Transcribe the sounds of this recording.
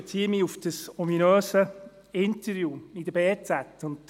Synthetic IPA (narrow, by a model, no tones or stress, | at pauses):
t͡siːəmiufd̥əsɔminøːsə | ɪntəɾjuːid̥əbeːt͡sætːʊnt